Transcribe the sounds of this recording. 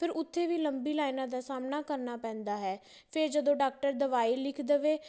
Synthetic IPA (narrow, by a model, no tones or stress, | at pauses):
pʰɪɾʊt̪ʰːeːʋiːləmbiːlaːinãːd̪aːsaːmnaːkəɾnaːpɛ̃ːnd̪aːɦɛː | pʰɪɾd͡ʒəd̪õːɖaːk̚ʈəɾd̪əʋaːiːlɪkʰd̪əʋeː